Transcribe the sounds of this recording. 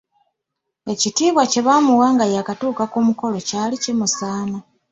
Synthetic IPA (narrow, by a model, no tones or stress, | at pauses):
e̞citiːβwace̞βamuwaːŋɡajakatuːkakoːmuko̞lo̞caːlicemusaːma